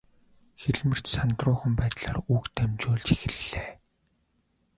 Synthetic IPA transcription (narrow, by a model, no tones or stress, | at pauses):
xeɮmɘ̆r̥t͡ɕsant̪rʊːχə̆mpæːt̪ɮa̰ːrukt̪ʰæmt͡ɕʊːɮt͡ɕixɘ̆ɮːeː